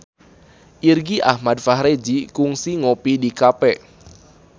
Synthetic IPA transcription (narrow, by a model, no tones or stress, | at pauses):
ʔirɡiʔa̰hmadfaɦɾed͡ʒikuŋsiŋopidikapɛ